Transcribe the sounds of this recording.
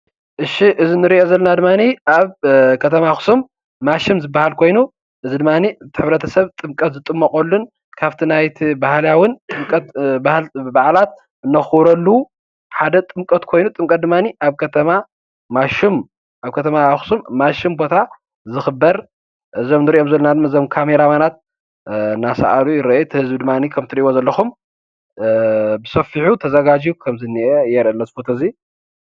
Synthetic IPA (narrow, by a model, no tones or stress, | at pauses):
ʔɨʃiʔɨzinɨɾiʔo̞zɐlːɐnad̪ɨmːaniaβkʰɐt̪ʰɐmaxsumː | aʃɨmzɨbːahalkʰo̞jnu | ʔɨzid̪ɨmːanit̪ʰɨħɨβɾɐt̪ʰɐsɐβt̪ʼɨmkʼɐt̪zɨt̪ʼɨmːɐkʼolːun | kʰaβt̪ʰinajt̪ʰibahljawɨnt̪ʼɨmkʼɐt̪bahlbaʕlat̪̚ | ɨnːɐxuβɾɐlːu | ħad̪ɐt̪ʼɨmkʼɐt̪kʰo̞jnut̪ʼɨmkʼɐt̪d̪ɨmːaniʔaβkʰɐt̪ʰɐma | maʃɪm | ʔaβkʰɐt̪ʰɐmaaxsumːaʃɪmbo̞t̪ʰa | zɨxɨbːɐɾ | ʔɨzomnɨɾiʔo̞mzɐlːɐnad̪ɨmːɐɨzomkʰameɾamanat̪̚ | nasa̰ʔalujɪɾɐjut̪ʰɨhɨzbɨd̪ɨmːanikʰɐmt̪ʰɨɾiʔwozɐlːɐxum | bɨsɐfiħut̪ʰɐzɐɡad͡ʒiukʰɐmzɨniʔejɛɾʔɐlːɐzɨfot̪ʰɐzi